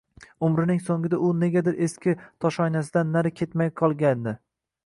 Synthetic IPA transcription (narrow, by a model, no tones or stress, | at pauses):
ʊmɾɪnɪŋsoŋɡʲɪd̪aʔʊne̞ɡʲad̪ɪɾʔe̞skʲɪt̪ʰɒʃɒjnasɪd̪anːaɾɪkʲʰe̞t̪majqʰɒlˠɡʲand̪ɪ